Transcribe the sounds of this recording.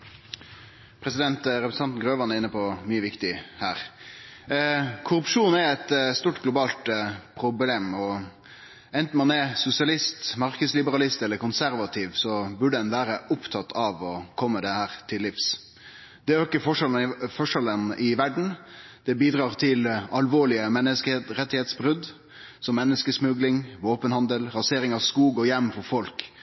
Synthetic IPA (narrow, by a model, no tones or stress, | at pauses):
pʰɾɛsɪd̪ɛnt̪ɾɛpsn̩ɑnt̪n̩ɡɾøːʋɑnəɾɪnːəpʰɔmyːəʋɪkt̪ɪhæːɾ | kʰʊɾʉpʂuːn̩æɛt̪st̪uːʈɡlʊbɑːlt̪pʰɾʊbleːmɔ | ɛnt̪n̩mɑnɛsʊsɪɑlɪst̪mɑɾkəslɪbəɾɑlɪst̪ɛlːəɾkʊnsæɾʋɑt̪ʰiːʋsɔbʉɖəd̪ɛnʋæːɾəʔʊpt̪ʰɑt̪ʰɑʋɔkʰɔmːəd̪ɛhæːɾt̪ʰɪlːɪfs | d̪ɛæøɪkːəfɔʂɛlfɔʂɛlənɪʋæɖɳ̩d̪̥ɛbiːd̪ɾɑːʁt̪ʰɪlɑlʋoːɭɪəmɛnːəsk̪ɾɛt̪ːɪheːt̪sbɾʉd̪ | sɔmːɛnːəskəsmʉɡlɪŋʋoːpənhɑnd̪əlɾɑseːɾɪŋɑʋskuːɡɔjɛmːfɔɾfɔlk